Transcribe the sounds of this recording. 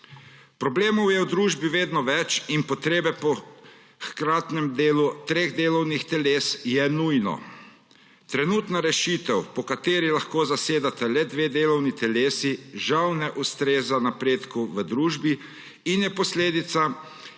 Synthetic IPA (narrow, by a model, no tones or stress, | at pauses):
pɾɔbleːmɔwjɛwd̪ɾuːʒbiʋeːd̪nɔʋɛt͡ʃinpɔt̪ɾeːbɛpɔ | xkɾaːt̪nɛmd̪eːlut̪ɾeːɣd̪eːlɔwnixt̪ɛleːsjɛnujnɔ̰ | t̪ɾɛnuːt̪naɾɛʃiːt̪ɛwpɔkat̪eːɾilaxkoːzaseːd̪at̪ɛlɛd̪ʋeːd̪eːlɔwnit̪ɛleːsiʒawnɛʔust̪ɾeːzanapɾeːt̪kuʋəd̪ɾuːʒbiː | njɛpɔsleːd̪it̪sa